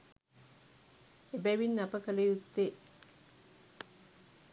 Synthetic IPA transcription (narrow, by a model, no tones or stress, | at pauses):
ebɛʋinːapəkəlejut̪ːe